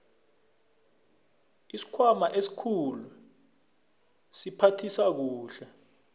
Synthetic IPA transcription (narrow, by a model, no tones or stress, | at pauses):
isi̥kʰwamaʔesi̥kʰulu | sipʰatʰisak̬uːɬɛ